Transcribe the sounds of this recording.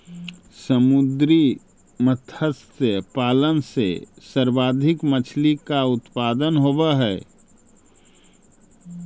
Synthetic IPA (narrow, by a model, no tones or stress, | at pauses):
səmʊd̪ɾi | mət̪ʰəst̪əpaːlənsḛ | səɾbaːd̪ʱɪkmət͡ʃʰlikaʊt̪paːd̪ənɦoːbəɦɛː